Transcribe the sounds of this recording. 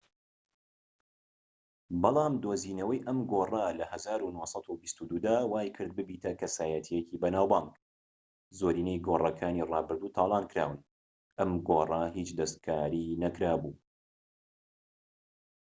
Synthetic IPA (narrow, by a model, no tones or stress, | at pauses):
bɑlˠɑːmd̪oːziːnɐwɐjʔɐmɡorɐlɐhɐzaːɾunosˤɑt̪ubist̪ud̪uːd̪aːwaːjkʰɨɾd̪̚bɨbiːt̪ʰɐkʰɐsaːjɐt̪ʰijɛkibɐnaːwbɑŋɡ | zoːɾiːnejɡorˤɐkʰaːnirɑːbɨɾd̪uːt̪ʰɑːlˠɑːnkɾa̰ːwɨn | ʔɐmɡorˤɐɦit͡ʃd̪ɐst̪̚kʰaːɾinɐkɾaːbuː